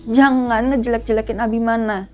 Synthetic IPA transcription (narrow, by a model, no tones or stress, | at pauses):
d͡ʒaŋanŋəd͡ʒəlɛk̚d͡ʒəlɛkɪnabihmana